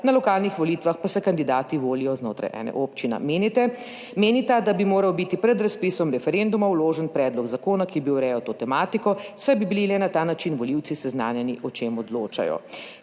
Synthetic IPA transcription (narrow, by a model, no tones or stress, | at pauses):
nalɔkaːlnixʋɔliːt̪ʋaxpasɛkand̪id̪aːt̪iʋoːlijɔznoːt̪ɾa̰jʔɛ̰nɛ̰ʔoːpt͡ʃinɛ̰menit̪ɛ | meːnit̪ad̪abimoːɾawbit̪ipɾɛd̪ɾaspisɔmɾɛfɛɾend̪umawloːʒɛnpɾɛːd̪lɔɡzakoːnakibiwɾɛjɔt̪oːt̪ɛmaːt̪ikɔsajbibililɛnat̪aːnat͡ʃinʋɔliw̪sisɛznaːnjɛniʔɔt͡ʃemɔd̪loːt͡ʃa̰jɔ̰